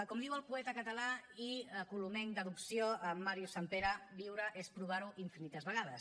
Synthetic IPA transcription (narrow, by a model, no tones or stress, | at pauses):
kɔmd̪iwəlˠpuɛt̪əkət̪əlaiəkulumɛŋd̪əðuksioəmːaɾjusampeɾəβiwɾəʔespɾuβ̞aɾuʔiɱfinit̪əzβəɣ̞aðəs